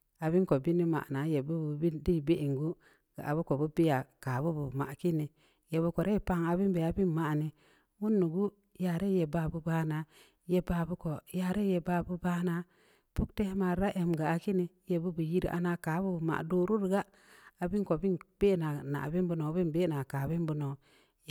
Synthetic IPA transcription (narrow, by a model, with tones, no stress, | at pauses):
a˨bi˦nko˨bi˦ni˦ma̰˨na˨˦je˨bu˦bu˨bi˦di˦˨be˦ʔi˨ŋɡu˦ | ɡ̥a˨ʔa˨bu˦ko˨bu˦bi˦ja˨kaː˨˦bu˦bu˨ma̰˨ki˦ni˨ | je˨bu˧ko˨ɾe˦i˨pa˦˨ŋa˨bi˦nbe˨a˨bi˦nma˨ni˨ | wu˦nːu˨ɡu˦ | ja˨ɾe˦je˨ba˨bu˦baː˦na˨ | je˨ba˨bu˦ko˨ja˨ɾe˦je˨ba˨bu˦ba˦na˦ | pu˦kte˦ma˨ɾa˦ʔe˨mɡaː˨ki˦ni˨˦je˨bu˦bu˨ji˦ɾʔa̰˨˦na˨ka˨˦bu˦bu˨ma̰˨ʔdo˦ɾu˦ɾɡa˦ | a˨bi˦ŋko˨bi˦nb̥e˦˨na˨na̰˨bi˦nbu˨no˨˦bi˦nbe˦˨na˨ka˨bi˦nbu˦no˨